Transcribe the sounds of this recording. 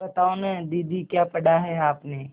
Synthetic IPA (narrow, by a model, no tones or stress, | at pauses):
ɐt̪aːonɛd̪iːd̪ʱikjaːpɐɽaɦɛaːpneː